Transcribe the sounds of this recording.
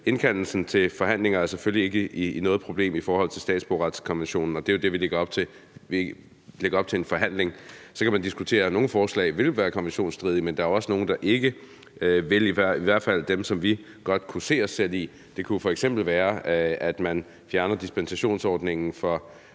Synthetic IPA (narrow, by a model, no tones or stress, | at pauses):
e̝nkʰæn̰l̩sn̩t͡sʰe̝lfɒ̽ɦæn̰le̝ŋɐæɐsefølie̝ɡ̥əiinɔːð̞̩ˠpʰʁo̝b̥le̝̰ːmifɒːhɒ̽l̰t͡sʰe̝lsd̥ɛ̰ːd̥sb̥ɒ̰ːʁɑ̈d̥skʰɒ̽nʋenɕo̝̰ːnn̩ɒ̽d̥e̝jo̝d̥e̝ʋileɡ̥ɐɒ̽b̥t͡sʰe | i | leɡɐɒ̽b̥̚t͡sʰe̝enfɒ̽ɦæn̰le̝ŋsɒ̽kʰæmænd̥isɡ̥ut͡sʰe̝̰ːɐno̝ːn̩fɒːslɛ̰ɪʋe̝lʋæːɐkʰɒ̽nʋenɕo̝̰ːnsd̥ʁið̞ˠimend̥ɑ̈æɐoɒ̽səno̝ːn̩d̥ɑ̈ʔe̝ɡ̥ə | ʋe̝liʋæ̰iʋæɐ̰d̥fæl̰d̥emsɒ̽mʋi | ɡ̥ɒ̽d̥kʰuse̝̰ːɒsːel̰ḭ | d̥e̝kʰufɒ̽eɡ̥semb̥l̩ʋæːɐæd̥mæn | fjæɐnɐd̥isb̥ensæɕo̝̰ːnsɒːd̥ne̝ŋn̩fɒ̽